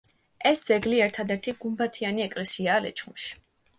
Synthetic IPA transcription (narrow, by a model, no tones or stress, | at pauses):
ɛsd̪z̥ɛɡliɛɾt̪ʰad̪ɛɾt̪ʰiɡ̥umbat̪ʰianiɛkʼlɛsiaːlɛ̰t͡ʃʰumʃi̥